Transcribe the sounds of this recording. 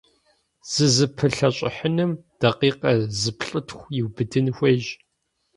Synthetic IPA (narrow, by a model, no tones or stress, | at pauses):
z̥ɨzɨpʰɨɬɐɕʼɪ̰ħənɨmd̥ɐqiːqɐzɨpʰɬʼɨtʰxʷjɪwbɨdɨnxʷɐʒ